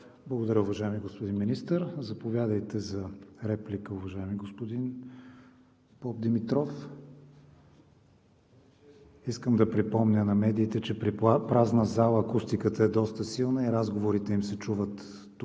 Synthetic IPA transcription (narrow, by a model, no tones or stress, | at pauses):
blˠəɡod̪ɐɾəʊvɐʒaɛmiɡospod̪inminist̪əɾzɐpovʲjad̪əjt̪ɛzɐɾɛplikəʊvɐʒaɛmiɡospod̪in | b̥ɔb̚d̪ɛmit̪ɾɔf | iskəmd̪ɐpɾipɔmnʲənɐmɛd̪iːt̪ɛt͡ʃɛpɾipɾaznəzalˠəːkust̪ikət̪əɛd̪ɔst̪əsilˠnəiɾazɡovoɾit̪ɛimsɛt͡ʃuvət̪ː